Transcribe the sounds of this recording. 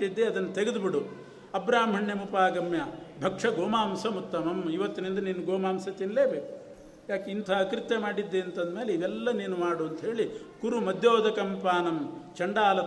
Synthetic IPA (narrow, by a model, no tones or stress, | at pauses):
id̪ːeɐd̪ɐnːɐt̪eɡed̪ubiɽu | ɐbɾaːmɦɐɳjɐmupaːɡɐmjɐbʱɐkʂɐɡɔːmaːmsɐmut̪ːɐmɐmiʋɐt̪ːinind̪ɐniːnuɡɔːmaːmsɐt̪inleːbeːku | jaːkeint̪ʰaɐkɾit̪ːemaːɽid̪ːeːɐnt̪ɐnd̪meːleiʋɛlːɐniːnumaːɽuɐnt̪ɐɦe̞ːɭikuɾumɐd̪ʱjoːd̪ɐkɐmpaːnɐmt͡ʃɐɳɖaːlɐ